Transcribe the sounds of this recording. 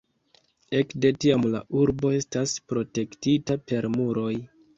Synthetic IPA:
e̞kde̞tiamla̰ʔuɾbo̞e̞staspɾo̞te̞ktitape̞ɾmuɾo̞j

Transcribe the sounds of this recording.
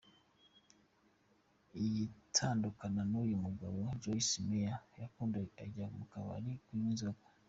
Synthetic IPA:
ijitʰaːndukananujumuɡa̰βod͡ʒoisimejajakuːndaa̰ɟaumukaβa̰ɾikwiinzoɡo

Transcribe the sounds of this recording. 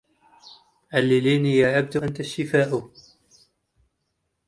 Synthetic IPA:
ʕalːɪliːnijaʕab̚t̪ʊʔant̪aʃːɪfaːʔʊ

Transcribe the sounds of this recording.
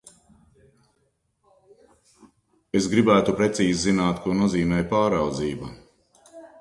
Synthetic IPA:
esɡɾibæːt̪upɾet̪siːzzinaːt̪kuɔnuɔziːmɛːjpaːɾawd̪ziːba

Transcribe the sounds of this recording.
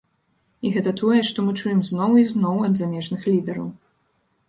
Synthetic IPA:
iɣɛt̪ɐt̪ʰɔjɛʂt̪ɔmɨt͡ʂujɛmznɔwiznɔwɐd̪zamʲɛʐnɨxlʲid̪ɛɾɐ̰w

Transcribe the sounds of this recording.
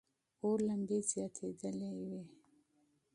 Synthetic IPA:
oɾland̪ezjɑt̪ʰed̪əlewe

